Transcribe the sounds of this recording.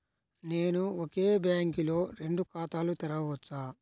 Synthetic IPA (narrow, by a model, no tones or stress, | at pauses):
neːnuoke̞ːbjaːŋkilo̞ːɾe̞ɳɖukaːt̪aːlut̪ɐɾɐʋɐt͡ʃːaː